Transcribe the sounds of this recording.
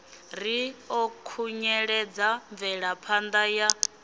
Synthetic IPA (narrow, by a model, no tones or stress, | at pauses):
ɾ̤iɔkʰuɲɛɺɛd͡zaɱb̪vɛɺapʰand̪aja